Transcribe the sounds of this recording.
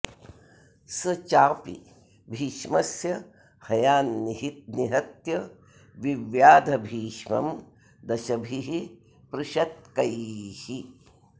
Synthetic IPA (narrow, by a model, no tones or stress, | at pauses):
sɐt͡ʃaːpḭ | bʱiːʃmɐsjɐ | hɐjaːnːiɦit̪̚niɦɐt̪jɐ | ʋiʋjaːd̪ʱɐbʱiːʃmɐ̰m | d̪ɐʃɐbʱiɦi | pɾuʃɐt̪̚kɐjhi